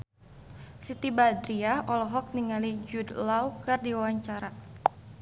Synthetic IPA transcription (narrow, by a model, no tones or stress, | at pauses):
sit̪ibad̪ɾiaʔɔlɔɦɔk̚niŋalid͡ʒudlaukɨrdiwawaɲt͡ʃaɾa